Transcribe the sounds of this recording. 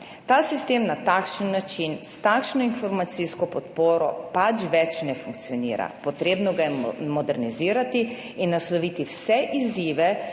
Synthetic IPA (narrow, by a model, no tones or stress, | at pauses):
t̪aːsist̪eːmnat̪aːkʃənːat͡ʃinst̪akʃnɔinfɔɾmat̪siskɔpɔt̪poːɾɔ̰pat͡ʃʋɛt͡ʃnɛfuŋkt̪siɔnḭːɾa̰pɔt̪ɾeːbnɔɡajɛmɔd̪ɛɾniziːɾat̪i | inːaslɔʋiːt̪iwsɛʔiziːʋɛ